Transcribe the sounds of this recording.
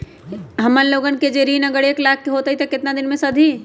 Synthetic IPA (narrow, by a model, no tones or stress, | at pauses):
ɦɐmənloːɡənked͡ʒeɾiːnəɡəɾeːklaːkʰːeɦoːt̪əɦit̪ekɪt̪nad̪ɪnmẽsəd̪ʱi